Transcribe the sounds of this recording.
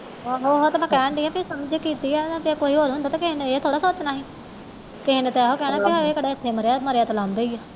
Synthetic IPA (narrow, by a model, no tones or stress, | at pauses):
ɦoːɦoːt̪mɛ̃ːkɛːɳɖɪːɛ̃ːpʰɪɾsəmd͡ʒkiːt̪iːɛːt̪ekoːiːɦoːɾɦʊ̃nd̪aːt̪ãːkɪɦneeːt̪ʰoːɽaːsoːt͡ʃnaːɦiː | kɪɦnet̪eɦoːkɛːnãːpiɦoːeːkəɽaːɪt̪ʰːeːməɾeaːməɾeaːt̪alãːmd̪eiaː